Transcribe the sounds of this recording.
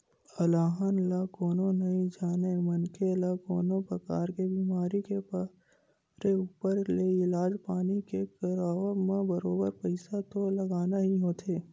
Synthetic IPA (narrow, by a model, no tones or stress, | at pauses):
əlaːɦənlakoːnonɐɦĩd͡ʒaːnemɐnkʰelakoːnopɾɐkaːɾkebiːmaːɾikep | ɾeuːpəɾleɪlaːd͡ʒpaːnikekɐɾaːʋmẽbəɾoːbəɾpəɪsat̪olɐɡaːnaɦiɦoːt̪ʰeː